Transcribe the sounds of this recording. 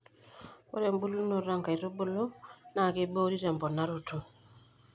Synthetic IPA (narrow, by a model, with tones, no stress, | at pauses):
o̰˦ɾɛ˨mbu˦lu˦no˨ɾa˦ŋka˨i˨ɾo˦bo˦lo˦na˨ke˦bo˦ɾi˦ɾɛ˨mbɔ˨na˦ɾo˨tu˨